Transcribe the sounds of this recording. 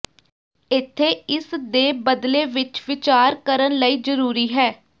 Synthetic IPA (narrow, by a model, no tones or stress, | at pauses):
ɪt̪ʰːeːɪsd̪eːbəd̪leːʋɪt͡ʃʋɪt͡ʃaːɾkəɾənləiːzəɾuːɾiːɦɛː